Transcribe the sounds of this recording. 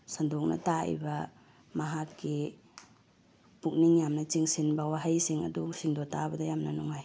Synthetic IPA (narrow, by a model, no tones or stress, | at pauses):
sandok̚nʔɐ̰taḭjbɐ | mɐɦatkːi | puk̚niŋjamnɐt͡ʃiŋsinbɐwaɦajsiŋɐ̰dusiŋdotabɐdɐjamnɐnuŋaj